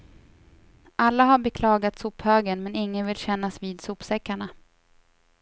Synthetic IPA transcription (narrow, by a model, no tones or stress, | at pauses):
ʔalːaɦaɾbɛkʰlɑːɡat̪suːphøːɡənmɛnɪŋːənvɪlɕɛn̪ːasviːd̪suːpsɛkːaɳa